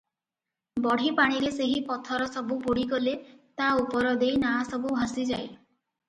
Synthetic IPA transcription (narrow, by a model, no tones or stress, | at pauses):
bɔɽ̤ʱipaɽ̃iɾeseɦipɔt̪ʰɔɾɔsɔbuboɽiɡɔlet̪aupɔɾɔd̪ejnasɔbubʱãsid͡ʒaj